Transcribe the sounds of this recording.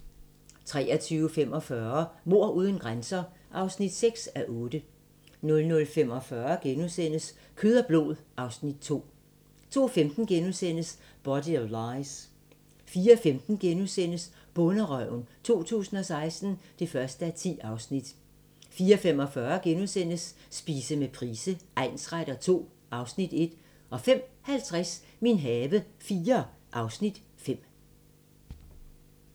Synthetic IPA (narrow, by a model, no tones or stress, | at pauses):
t͡sʰʁɛ̰ːɐt͡sʰyːʊəfemɒ̽fɶɐmo̝ɐ̰ʔuːð̞ˠən̩ɡ̥ʁansɐ | ʔɑ̈ʊsnid̥seɡ̥sæʔɔ̽ːd̥ə | nɔ̽lnɔ̽lfem̰ɒ̽fɶːɐɡ̥enusen̰əs | kʰøðˠɐb̥lo̝̰ðˠʔɑ̈ʊsnid̥̚t͡sʰo̝̰ː | t͡sʰo̝̰ːfemd̥n̩ɡ̥enusen̰əs | b̥ɒd̥iɒlɑ̈ɪs | fiːɐfemd̥n̩ɡ̥enusen̰əs | b̥ɔ̽nəʁœʊ̰nt͡sʰo̝̰ːt͡sʰṵːsn̩ɒ̽sɑ̈ɪsd̥n̩d̥e̝fɶɐsd̥əæt͡sʰḭːɑ̈ʊsnid̥ | fiːɐfem̰ɒ̽fɶɐɡ̥enuðˠsen̰əsːb̥iːsəmepʰʁiːsəʔæ̈ɪnsʁaɾ̥ɐt͡sʰo̝̰ː | ʔɑ̈ʊsnid̥e̝d̥ | ʔɒ̽fem̰hælt͡sʰʁas | minɦɛːʋəfiːɐʔɑ̈ʊsnid̥ | fem̰